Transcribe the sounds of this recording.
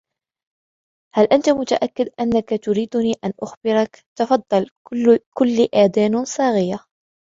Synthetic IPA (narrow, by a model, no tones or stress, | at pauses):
halʔant̪amʊt̪aʔakːɪd̪ʔanːakat̪ʊɾiːd̪ʊniːʔanʔʊxbɪɾɑkt̪ɑfɑd̪ˤːɑlkʊlːiʔaːd̪aːnsˤɑːɣɪjːa